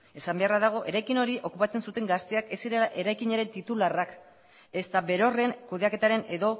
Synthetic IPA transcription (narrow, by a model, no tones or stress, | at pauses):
e̞sambe̞araðaɣ̞o̞ʔe̞ɾajkino̞ɾiʔo̞kupat͡se̞nsut̪e̞ŋɡast̪e̞ake̞siɾelaʔe̞ɾajkiɲeɾe̞nt̪it̪ularak | e̞st̪aβe̞ɾo̞re̞ŋkuðe̞ake̞t̪aɾe̞ne̞ðo̞